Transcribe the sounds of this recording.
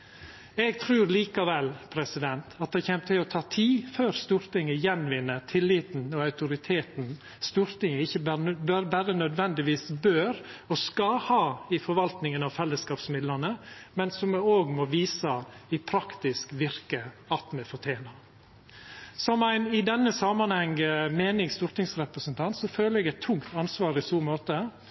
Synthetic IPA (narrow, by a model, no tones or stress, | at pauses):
ɛɡt̪ʰɾʉːɾliːkɑʋɛlpʰɾɛsɪd̪ɛnt̪ʰɑt̪̚d̪ɛçɛːmt̪ʰɪlɔt̪ʰɑːt̪ʰiːføːɾst̪uːɾt̪ɪŋəjɛnʋɪnːət̪ʰɪlːɪt̪n̩ɔɑʉt̪ʊɾɪt̪ʰeːt̪n | st̪uːɾt̪ɪŋəɪçəbøɾbæɾənœd̪ʋɛnd̪ɪʋiːsbøːɾɔskɑhɑːɪfɔɾʋɑlt̪nɪŋənɑʋfɛlːəskɑːpsmɪd̪lənəmɛnsɔmɛoːɡmɔʋiːsəɪpʰɾɑkt̪ɪskʋɪɾkə | ɑt̪mɛfɔʈʰjeːnɑ | sɔmæɪnɪd̪ɛnːəsɑmɑnhɛŋmeːnɪŋst̪uːɾt̪ɪŋsɾɛpɾəsənt̪ʰɑnt̪sɔføːləɛɡæɪt̪ʰːʊŋkt̪ɑnsʋɑːɾɪsuːɾmoːt̪ə